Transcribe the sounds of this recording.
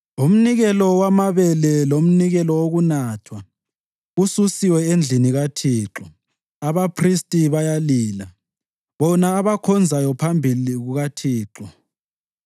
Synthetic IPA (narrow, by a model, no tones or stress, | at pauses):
um̩niɣɛlɔwamaβɛlɛlom̩niɣɛlɔwoɣunaːtʰwa | ɣususiwɛend͡ɮʱiniɣatʰiːǁɔ | aβapʰristʼiβajaliːla | βɔnaːβakʰɔnd͡zʱajɔpʰambʱiliɣuɣatʰiːǁɔ